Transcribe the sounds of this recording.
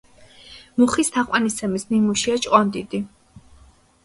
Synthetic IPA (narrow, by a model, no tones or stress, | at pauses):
muχist̪ʰaqʼwanist̪ʰɛmisnimuʃiat͡ʃʼqʼɔnd̪id̪i